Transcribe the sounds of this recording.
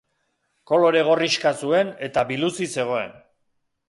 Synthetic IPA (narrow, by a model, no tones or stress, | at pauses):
ko̞lo̞ɾe̞ɣ̞o̞riʃkasue̞ne̞t̪aβilusise̞ɣ̞o̞e̞̰n